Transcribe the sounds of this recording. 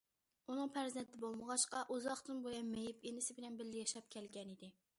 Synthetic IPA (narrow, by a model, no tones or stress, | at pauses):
unɨŋpʰæɾzɛnt̪ʰɪbolˠməʁɑʃqɑʔuzɑχt̪ɨnbojɑnmejɪpenɪsɪbɪlɛnbɪlːɪjɛʃɑp̚kʲʰɛlɡʲɛnid̪ɪ